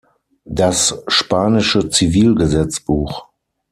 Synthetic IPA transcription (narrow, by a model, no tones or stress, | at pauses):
d̥asʃpaːnɪʃət͡siviːlɡəzɛt͡sb̥uːx